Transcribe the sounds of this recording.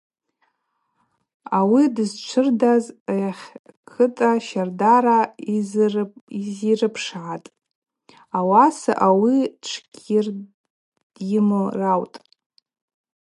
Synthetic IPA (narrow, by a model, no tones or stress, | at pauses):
awidɨzt͡ʃʷʰɨrdazaχʲkʰɨtʼaʃardaɾa | izirɨpʰʂʕatʼ | awasa̰ʔawiʈ͡ʂʰkʲʼir | jɪmorawtʼ